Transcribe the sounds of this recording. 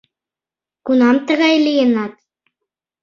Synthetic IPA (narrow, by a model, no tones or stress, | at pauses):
kunɑmt̪ə̆ɣɑjlʲijə̆nɑt̪